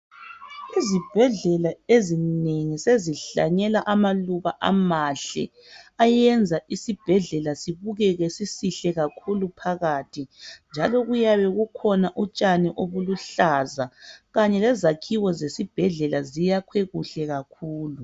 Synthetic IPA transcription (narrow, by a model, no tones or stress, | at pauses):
izib̥ʱɛɮɛlaezineŋiseziɬa̰ɲɛlaʔamaluβaʔa̰maɬɛ̰ | ajɛnd͡zʱaisib̥ʱɛɮɛlasiβuɣɛɣɛsisiɬɛɣakʰulupʰaɣaːtʰind͡ʒʱalɔɣujaβɛɣukʰɔnaʔut͡ʃʼanɛʔoβuluɬazaɣaɲɛlɛzakʰiwɔzesib̥ʱɛɮɛlazijakʰweɣuɬɛɣakʰuːlu